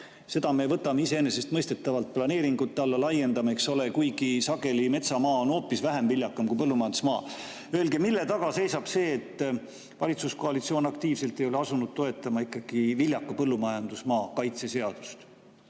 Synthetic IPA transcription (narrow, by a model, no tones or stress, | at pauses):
se̞d̪̥ɑme̞vɤ̞t̪ːˑɑmeise̞ene̞s̬e̞st̪mɤjst̪e̞t̪ːˑɑvɑlt̪̚plɑne̞ːɾiŋɡ̥ut̪ːˑeɑlːɑlɑje̞nd̪ɑmekso̞lekujɡ̥isɑɡ̥e̞lime̞t̪sɑmɑːono̞ːpːˑisvæɦemvilʲjɑkːˑɑmkuipɤlːumɑjɑnd̪usmɑ̰ː | ø̞elɡemilːe̞t̪ɑɡ̥ɑse̞jsɑb̥se̞ːt̪ːˑ | vɑlʲit̪susko̞ɑlit̪sioːnɑkt̪iːvse̞lt̪ːe̞jo̞le̞ɑsunud̪̥̚t̪o̞e̞t̪ːˑɑmɑikːˑɑɡ̥ivilʲjɑkːˑɑpɤlːumɑjɑnd̪̥usmɑːkɑjt̪se̞se̞ɑd̪̥ust̪